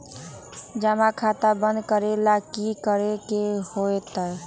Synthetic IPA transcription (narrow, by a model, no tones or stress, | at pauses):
d͡ʒamakʰat̪abənd̪kəɾelakikəɾekehoet̪əj